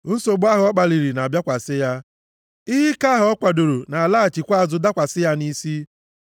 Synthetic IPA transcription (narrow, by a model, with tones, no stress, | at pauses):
n̩˦so˨ɡ͡ba˦ɦʊ˦ɔ˦k͡pa˨li˨ɾi˨na˨bja˦kʷa˨sɪ˦ja˦ | ɪ˦ɦi˦ka˦ɦʊ˨ɔ˦kʷa˨do˨ɾo˨na˨laː˦a˨t͡ʃi˨kʷa˦a˦˨zʊ˨da˦kʷa˨sɪ˦ja˦ni˦si˦